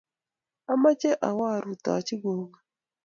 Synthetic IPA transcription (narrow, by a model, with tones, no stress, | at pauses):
a˦ma˦t͡ʃe˦ʔa˨wa˦˨ɾu˨tɔ̰˨t͡ʃɪ˦ɡo˨ŋa˨